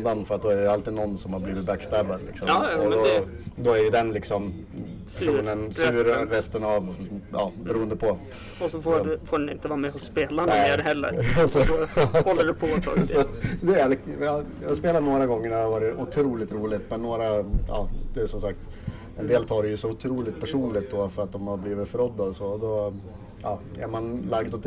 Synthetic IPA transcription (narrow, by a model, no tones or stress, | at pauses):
d̪anfœɾat̪̚d̪ɔæɖɛjɵalt̪iːd̪nɔnːsɔmhaɾbliːvɪt̪̚bækst̪æbad̪lɪ̰ksɔmɔd̪ɔ | d̪ɔæɾjɵd̪ɛnlɪksɔm | pʰæʂuːnənsʉːɾɾɛst̪ənavʔɑːbɛɾuːənd̪əpʰɔ | ɔsɔffoːɖɛnɪ̰nt̪əvɑːɾamɛhʊsːpeːlanɛehɛlːə̰ɾsɔkɔlːədpʰɔ̰sɔsɔd̪ɛaljjɑhspeːlat̪noːɾaɡɔŋːəɳɛɾhaɾvɑːɾɪʔʊt̪ʰɾuːlɪt̪ɾuːlɪt̪mɛnːoːɾajɑ̰ːd̪̥ɛsɔmsak̚t̪ | ɛnd̪eːlt̪ʰɑːɾɛjɵsɔʊt̪ʰɾuːlɪkt̪pʰæʂuːnlɪt̪̚d̪ɔfœɾat̪̚d̪ɔmaɾbliːvɪt̪fœɾɔd̪ːaɔsɔɔd̪ɔ | jɑːæ̰ɾmanlaɡd̪ɔt̪